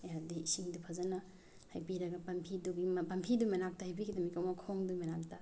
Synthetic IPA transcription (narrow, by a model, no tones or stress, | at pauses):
aɾdisiŋdupʰazɐna | hajbiɾɐɡɐpɐmpʰiduɡimpampʰidumenak̚tahajbiɡidɐmikawmɐkʰoŋdumenak̚tʰa